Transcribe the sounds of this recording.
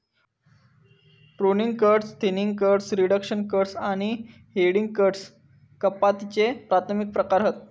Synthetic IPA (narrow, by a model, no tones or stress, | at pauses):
pɾoniŋɡkəɾʈst̪ʰiniŋɡ̚kəɾɖsɾiɽəkɕənkəɾʈsaɽ̃i | ɦeɽiŋɡkəɾʈs | kəpːat̪it͡ɕepɾat̪ʰəmik̚pɾəkaɾɦət̪